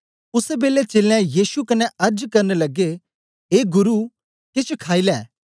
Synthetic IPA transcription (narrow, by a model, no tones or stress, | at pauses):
ʊsebeːlet͡ʃeːlɛ̃jiːsukɐnɛʔɐɾd͡ʒkɐɾnelɐɡe | ɦeːɡʊɾu | kɪt͡ʃʰkʰaːilɛː